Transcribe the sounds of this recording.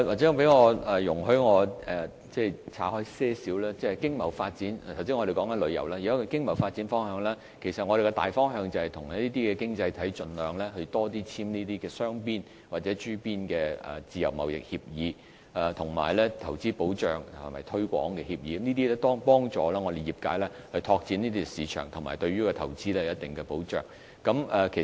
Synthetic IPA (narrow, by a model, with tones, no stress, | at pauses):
waː˨˩t͡sɛ˨˥˧pe˨˥jŋɔː˨˧ɛ˨˩jʊ˨˩ŋɦɵ˧ɥŋɔː˨˧ɛ˨ | t͡sɛː˥˩jt͡sʰaː˨˥hɔː˥jsɛː˥siː˨˥wlaː˥t͡sɛː˥˨˩kɪ˥ŋmɐ˨˩wfaː˧t̚t͡siː˨˥n˨t̪ʰwt͡siː˥ŋɔː˨˧ɾe˨kɔː˨˥ŋkɐ˦nlɵ˨˧˥jɐ̰˨˩wlaː˥ji˨ɐ˥kkɪ˥ŋmɐ˨˩wfaː˧t̚t͡si˨˥nfɔː˥ŋhœː˨˧ŋlɛː˥ | kʰe˨˩jsɐ˨t̚ŋɔː˧ɾe˨jkɛ˧t̪a̰ː˨jfɔː˥ŋɦœː˧ŋt͡sɐ˨whɐ˨jt̪ʰʊ˨˩ŋɐ˥i˥t̪iː˥kɛː˧kɪ˥ŋt͡sɐ˧jt̪ʰɐ˨˥jt͡sɵ˧nlœː˨˧ŋlɛː˥ɦɵ˧ɥt̪ɔː˥t̪iː˥t͡sʰiː˥mniː˥t̪iː˥kɛː˧sœː˥ŋpiː˥n | waː˨˩t̚t͡sɛː˨˥t͡ʃyː˥piː˥nkɛː˧ɛ̰˨˩t͡siː˨˧jɐ̰˨˩wmɐ̰˨wjɪ̰˨k̚hiː˧p̚jiː˨˧ | ɐ˨˩t̪ʰʊ˨˩ŋma̰ː˨˩jlɛː˥t̪ʰɐ˨˩wt͡siː˥po˨˥wt͡ʃœː˨ŋʰɐ˨˩mɐ̰˨jt̪ʰɵ˥ɥkʷɔ̰ː˨˥ŋkɛː˧hiː˧p̚jiː˨˧kmniː˥t̪iː˥lɛ˥t̪ɔː˥ŋpɔː˥ŋt͡sɔː˨˧lɛː˥ŋɔː˧d̪e˨jiː˨˩p̚ka̰ː˨˧˥jlɛː˥ | hɵ˧ɥt̪ʰɔː˧k̚t͡siː˨˥niː˥t̪iː˥kɛ˧siː˨˧t͡ʃʰœ̰ː˨˩ŋt̪ʰʊ˨˩ŋma̰ː˨˩jt̪ɵ˧ɥyː˥kɔː˧t̪ʰɐ˨˩wt͡siː˥lɛː˥˨jɐ˦˥t̚t̪ɪ˨ŋkɛ˧po˨˥wt͡ʃœ̰ː˨ŋ | kɐ˨˧˥mɛ˧kʰe˨˩